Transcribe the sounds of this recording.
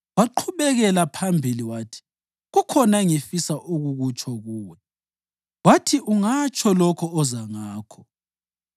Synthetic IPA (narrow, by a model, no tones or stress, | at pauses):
waǃʰuβɛɣɛlapʰambʱiliwaːtʰi̥ | ɣukʰɔnaŋifisaʔuɣuɣut͡ʃʰʼɔɣuːwɛ | watʰiʔuŋat͡ʃʰʼɔlɔkʰɔɔzaŋaːkʰɔ̥